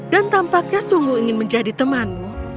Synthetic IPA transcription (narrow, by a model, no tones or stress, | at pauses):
dant̪ampak̚ɲasuŋɡuiŋɪnməɲd͡ʒadit̪əmanmu